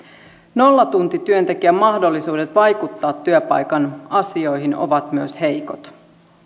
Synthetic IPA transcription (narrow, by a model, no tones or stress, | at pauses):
no̞lːɑt̪unt̪it̪yønt̪ek̟iæmɑhdolːisuːdet̪ʋɑjkut̪ːɑːt̪ːyøpɑ̰jkɑnɑsio̞jɦino̰ʋɑt̪myøshe̞jko̞̰t̪